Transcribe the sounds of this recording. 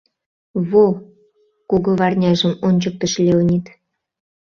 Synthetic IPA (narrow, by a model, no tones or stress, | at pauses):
βo | kuɣɤ̆βɑrnʲɑʒə̆monʲt͡ɕək̚t̪ə̆ʃlʲeunʲit̪